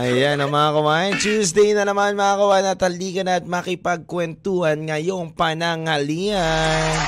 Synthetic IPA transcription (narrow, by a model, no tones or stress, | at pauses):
ʔɐjanɐmakɐwant͡ʃuːsd̪ɛjnɐnɐmanmaakɐwanɐt̪hɐliːkɐnɐɐt̪̚mɐkɪpɐɡ̚kwɛnt̪uhɐnŋɐjo̞ŋpɐnɐŋɐlian